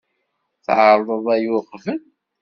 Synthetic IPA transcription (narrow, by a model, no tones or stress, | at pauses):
θʕəɾˤðˤəðˤæjʊqfən